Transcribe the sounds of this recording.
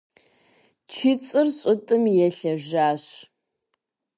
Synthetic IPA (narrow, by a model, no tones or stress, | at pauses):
t͡ʃʰɪt͡sʼɨrɕʼʊtʼɨmjɛɬɐʒaːɕ